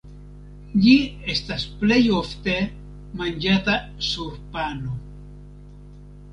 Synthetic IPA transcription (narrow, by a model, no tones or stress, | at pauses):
ʎiest̪asplejo̞ft̪e̞ | mand͡ʒat̪asuɾpano